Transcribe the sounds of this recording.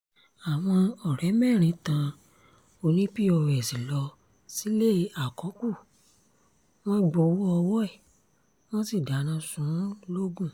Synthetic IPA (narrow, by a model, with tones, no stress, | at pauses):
a˨w̃ɔ̃˧ɔ˨ɾɛ˨˦mɛ̃˦˨ɾ̃ĩ˨˧tã˧ | o˧nĩ˦pi˦ɔ˧wɛ˨si˨lɔ˧ | si˨˦le˦˨˦a˨kɔ̃˨˦ku˦˨ | w̃ɔ̃˦ɡ͡bo˧˦wu˦ɔ˧wɔ˦ɛ˦˨ | w̃ɔ̃˦si˦˨da˨˦nã˧˦sũ˨˦lo˦ɡũ˦˨